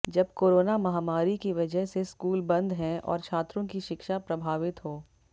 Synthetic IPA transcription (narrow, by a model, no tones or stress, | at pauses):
d͡ʒɐbkoːɾoːnamɐɦaːmaːɾikiʋɐd͡ʒəɦseskuːlbɐ̃nd̪ʱɦɛ̃ɔ̰ːɾt͡ʃʰaːt̪ɾõkiʃɪkʃapɾɐbʱaːʋɪt̪ɦoː